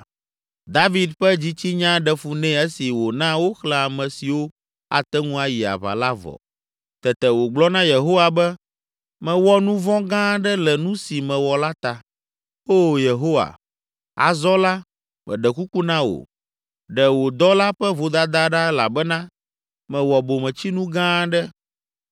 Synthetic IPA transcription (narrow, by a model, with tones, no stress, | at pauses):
d̪a˦vi˦d̪ɸɛ˦d͡ʑi˦t͡ɕi˦ɲã˦ɖɛ˨fu˨nɛ̃˦ɛ˦si˨wo˨nã˦wo˦xlɛ˨a˨mɛ̃˨si˨wo˦ | a̰˨t̪ɛ˦ŋũ˦a˨ji˨a̰˨βa̰˨la˦vɔ̰˨ | t̪ɛ˨t̪ɛ˨wo˨ɡ͡blɔ˦nã˦je˨ɦo˦wa˨bɛ˦ | mɛ̃˨wɔ˦nũ˦vɔ̃˦ɡã˦ɖɛ˦lɛ˨nũ˦si˨mɛ̃˨wɔ˨la˦t̪a˨ | o˦je˨ɦo˦wa̰˨ | a̰˨zɔ˦la˦ | mɛ̰̃˨ɖɛ˨ku˦ku˦nã˦wo̰˨ | ɖɛ˨wo˨d̪ɔ˦la˦ɸɛ˦vo˨d̪a˦d̪a˦ɖa˦la̰˨bɛ˦nã˦ | mɛ̃˨wɔ˨bo˨mɛ̃˨t͡ɕi˦nũ˦ɡã˦ɖɛ˦